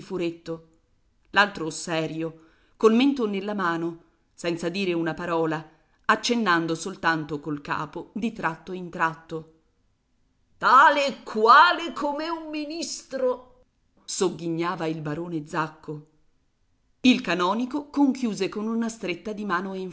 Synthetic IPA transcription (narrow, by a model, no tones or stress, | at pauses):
fuɾet̪ːo | lalt̪ɾosɛːɾjo | kolment̪onelːamaːno | sɛnt̪sad̪iːɾeunapaɾɔːla | at͡ʃːenːand̪osolt̪ant̪okolka̰ːpod̪it̪ɾat̪ːoint̪ɾat̪ːo | t̪aːlekʰːwaːlekʰomeumːinist̪ɾo | soɡːiɲːaːvailbaɾoːned̪zakːo | ilkanɔːnikokoŋkjuːzekonunast̪ɾet̪ːad̪imaːnoiɱ